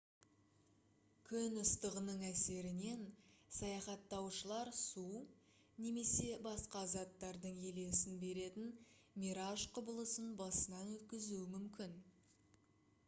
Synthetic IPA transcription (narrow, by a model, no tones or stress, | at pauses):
kʲʰʏnʊst̪əʁənəɴæse̞ɾɪne̞nsɑjɑχɑt̪ːɑwʃəlˠɑɾsu | ne̞me̞se̞bɑsqɑzɑt̪ːɑɾd̪əɴele̞sɪnbe̞ɾe̞t̪ɪn | mʲiɾaʃqʰʊbəlˠəsənbɑsənɑnwɵt̪kʲɪzuwɪmʏmkʲɪn